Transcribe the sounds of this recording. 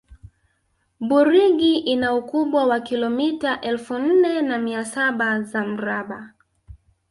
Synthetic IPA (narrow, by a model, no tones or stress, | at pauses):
ɓuɾiɠiʔinaukuɓwawakilɔmitaʔɛlfun̩nɛnamiasaɓazam̩ɾaɓa